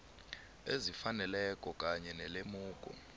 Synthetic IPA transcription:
ezifanɛlɛkʼɔkʼaɲɛnɛlemuːkʼɔ̰

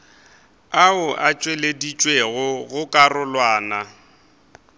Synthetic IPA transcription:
aʊʔat͡ʃʼweledit͡ʃʼweɣʊɣʊkʼarʊlwaːna

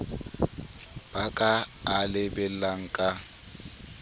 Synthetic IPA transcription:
b̥akʼaːlɪbɛlaŋ̩kʼa

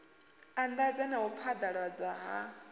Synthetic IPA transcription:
and̪ad͡zɛnaɦupʰad̪aɺwad͡zaɦa

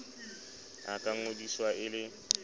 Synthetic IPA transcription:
a̰kʼaŋ̩odiswaʔɪlɪ

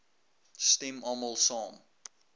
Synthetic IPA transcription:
stimɔməlˠsɑːm

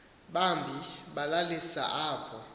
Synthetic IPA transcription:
ɓambʱiɓalalisa̰ʔaːpʰɔ

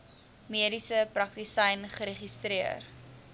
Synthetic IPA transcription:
miədisəprɐk̚tisɐjnχəɾeχistɾiər

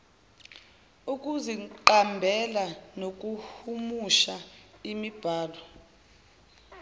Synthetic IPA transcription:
uk̬ʼuziǃambʱɛlanok̬ʼuhumuʃaimib̥ʱaːlɔ

